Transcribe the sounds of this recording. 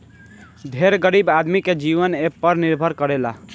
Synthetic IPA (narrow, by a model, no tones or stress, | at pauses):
d̪ʱeɾɡəɾibad̪miked͡ʒiʋənepəɾniɾbʱəɾkəɾela